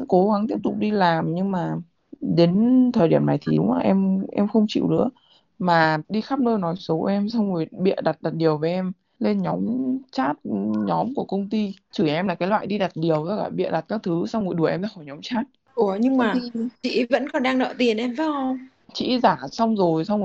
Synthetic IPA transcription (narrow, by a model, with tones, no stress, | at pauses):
ko˨˦ɣa˨˦ŋt̪i˦˥əp̚t̪ʊ˨˩k͡p̚ɗi˧laː˨˩mɲɨ˧ŋmaː˨˩ | ɗe˨˦nt̪ʰəː˨˩jɗi˧˩əmna˨˩jt̪ʰi˨ɗu˨˦ŋ͡maː˨˩ʔɛ˧mʔɛ̰˧mxə˧wŋ͡mt͡ɕḭ˧˨wnɨ̰˧˥ə | maː˨˩ɗi˧xaː˦˥p̚nəː˧nɔ˨˦jso˨˦ʔɛ˧msa˧wŋ͡mŋu˨˩jɓḭ˧˨əɗa˨˩t̚ɗa˨˩t̚ɗi˨˩əwve˨˦ʔɛ˧m | le˧nɲɔ˨˦mt͡ɕaː˦˥t̚ɲɔ˨˦mku˧˩əkə˧wŋ͡mt̪i˧t͡ɕɨ˧˩ʔɛ˧mlaː˨˩kaː˨˦jlwa̰ː˧˨jɗi˧ɗa˨˩t̚ɗi˨˩əwzɔ˨˧˦ka̰ː˧˩ɓḭ˧˨ɗa˨˩t̚kaː˦˥k̚t̪ʰɨ˨˦sa˧wŋu˨˩jɗu˧˩əʔɛ˧mzaː˧˥xɔ˧˩jɲɔ˨˦mt͡ɕaː˦˥t̚ | ʔɲɨ˧ŋmaː˧˨˩i˧t͡ɕḭ˧˨və̰˧˥nkɔ˨˩nɗaː˧ŋnɔ̰˧˨t̪i˨˩ənʔɛ˧mvaː˨˦˧ŋ͡m | t͡ɕḭ˧˥zaː˧˩sa˧wŋ͡mzo˨˩jsa˧wŋ͡m